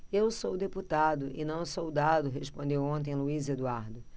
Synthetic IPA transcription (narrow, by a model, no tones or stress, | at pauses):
ewsowd̪eput̪ad̪ʊʔɪ̰nɐ̃w̃sowd̪ad̪ʊɦespõnd̪ewõnt̪̬ẽj̃luized̪uaɾd̪ʊ